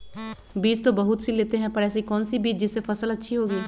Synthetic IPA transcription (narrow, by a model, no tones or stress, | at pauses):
biːt͡ʃt̪õːbəɦʊt̪sileːt̪eɦɛ̃ːpəɾɛːs̬ikɔːnsibiːt͡ʃd͡ʒɪsːepʰəsələtːʃʰiːɦoːɡiː